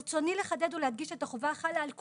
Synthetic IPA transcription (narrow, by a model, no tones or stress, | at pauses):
t͡so̞nileχad̪e̞d̪ulehad̪ɡiʃetaχovaχalaːlk